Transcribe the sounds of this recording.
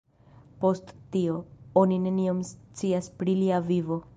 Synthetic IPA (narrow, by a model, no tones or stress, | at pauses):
po̞sttio̞onine̞niomst͡siaspɾiliavivo̞